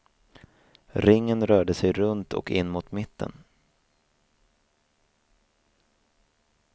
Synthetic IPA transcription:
ɾɪŋːənɾœːɖəsɛjɾɵnt̪ʰɔ̰kɪnːmʊt̪mɪt̪ʰːə̰n

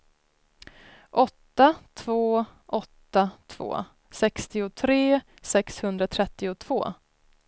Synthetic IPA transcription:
ʔɔt̪ːat̪ʰv̥oːʔɔt̪ːat̪ʰv̥o̰ː | sɛkst̪ɪʊt̪ʰɾeː | sɛkshɵnd̪ɾat̪ʰɾɛt̪ːɪʊt̪ʰv̥o̰ː

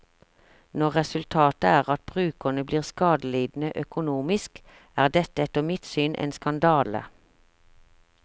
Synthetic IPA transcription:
nɔʁʁɛsʉlt̪ʰɑːt̪əæːʁɑt̪̚b̥ʁʉːkənəbliːʁskɑːd̪əliːd̪n̩əʔœkʊnuːmɪsk | æːʁd̪ɛt̪əɛt̪ɔmɪt̪syːnʔḛːnskɑnd̪ɑːlə̰

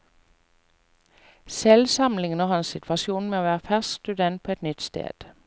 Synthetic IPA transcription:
sɛlsɑmlɪŋən̩ɔhɑnsɪt̪ʰʋɑʃuːnmeoːʋæːʁəfæsst̪ʉd̪ɛnt̪̚pʰoːɛt̪nʏt̪st̪ḛːd̪̥

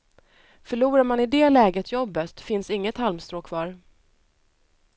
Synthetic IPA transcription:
fœɭuːɾaɾmanɪd̪ɛlɛːɡət̪ʰjɔbːət̪fɪnsɪŋːət̪halmst̪ɾoːkʰvɑːɾ

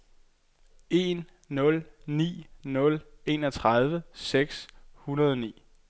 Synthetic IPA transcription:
e̝nː | ɔ̽lnḭːnɔ̽le̝ːnɒt͡sʰʁɑð̞ˠʋəseɡ̥shunɐð̞ˠɒnḭː

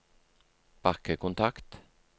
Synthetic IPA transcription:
b̥ɑkəkʊnt̪ʰɑkt̪

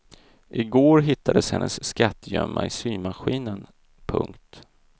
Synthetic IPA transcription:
ʔɪɡoːɾɦɪt̪ːad̪əshɛnːʔəsːkat̪ːjœmːʔaɪsyːmaɧiːnən | pʰɵ̰ŋkt̪

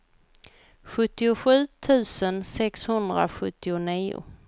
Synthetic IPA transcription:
ɧɵt̪ːɪʊɧʉ̟ːt̪ʰʉ̟ːsənsɛkshɵnd̪ɾa̰ɧɵt̪ːɪʊniːʊ̰

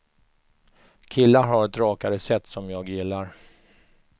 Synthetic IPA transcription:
kʰɪlːaɾɦaɾɛt̪ɾɑːkaɾəsɛt̪ːsɔmjɑːɡjɪlːaɾ

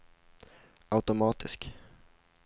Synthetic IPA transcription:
aʉt̪ʊmɑːt̪ʰɪsk

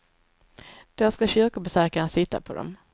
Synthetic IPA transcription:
d̪̥ɛskaɕʏɾkʊbɛsœɾkaɾnsɪt̪ːa̰pʰɔd̪ɔ̰m

